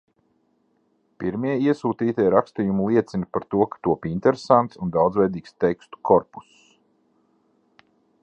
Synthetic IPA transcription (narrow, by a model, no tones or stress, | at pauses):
piɾmiɛiɛsuːt̪iːt̪ʲiɛɾakst̪ijumulˠiɛt̪sinipaɾt̪uɔkḁt̪uɔpinʲt̪ɛɾesant̪sund̪awd̪zvʲɛjd̪iːkst̪ɛkst̪u̥kʰɔɾpu̥s